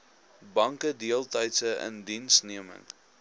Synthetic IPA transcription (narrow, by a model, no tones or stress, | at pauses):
bɐŋkədiəlˠtɐjtsəʔə̰ndinsniəmə̰ŋ